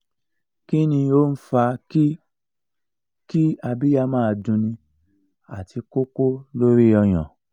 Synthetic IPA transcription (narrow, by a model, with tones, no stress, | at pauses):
ki˦nĩ˧o˦n̩˦fa˧i˦ | ki˦a˧bi˦ja˧mãː˦˧˨dũ˧nĩ˧ | a̰˨ti˧ko˦ko˦lo˦ɾi˦ɔ˧j̃ã̰˨